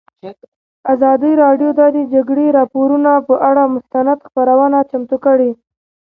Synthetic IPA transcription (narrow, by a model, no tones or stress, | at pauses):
azɑd̪əɾɑɖjod̪ɑd̪ed͡ʒaɡɽeɾɑpoɾunapəʔaɽamʊst̪anad̪xpaɾawənat͡ʃamt̪ukəɽi